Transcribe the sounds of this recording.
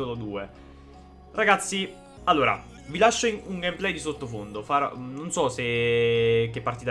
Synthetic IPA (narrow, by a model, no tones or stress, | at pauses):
olod̪uːe | raɡat̪sːi | alːoːɾa̰ | vilaʃːouŋɡɛmplɛjd̪isot̪ːofond̪ofaːɾo̰nonsɔse | k̟ːepːaɾrt̪it̪